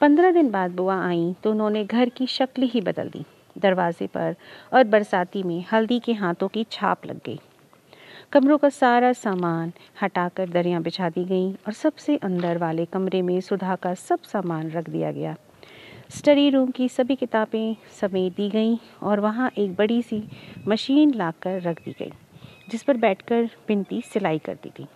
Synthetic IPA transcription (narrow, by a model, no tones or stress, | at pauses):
pɐ̃nd̪ɾãd̪ɪnbaːd̪̚bʊaaːĩt̪oʊnɦõneɡʱɐɾkiʃɐklɦibɐd̪ə̰ld̪ḭː | d̪ɐɾʋaːzḛpɐ̰ɾɔːɾbɐɾsaːt̪imẽhɐld̪ikeɦaːt̪õkit͡ʃʰa̰ːplɐ̰ɡːɐ̰ḭː | kɐmɾõkasaːɾasaːmaːnhɐʈaːkəɾd̪ɐɾijãbɪt͡ʃʰaːd̪iɡɐiɔːɾsɐbseʔɐ̃nd̪əɾʋaːlekɐmɾemẽsʊd̪ʱakasɐbsaːmaːnɾɐkʰd̪ḭja̰ɡɐ̰jaː | sʈɐɾiɾuːmkisɐbʱikɪt̪aːbẽsɐmeːd̪iɡɐiɔːɾʋɐɦãʔeːk̚bɐɽisimɐʃiːnlaːkɐɾːɐkʰd̪ḭɡɐ̰ḭːd͡ʒɪspɐɾbɛːʈʰkɐɾb̥ɪ̃nt̪isɪlaːikɐ̰ɾt̪ḭt̪ʰiː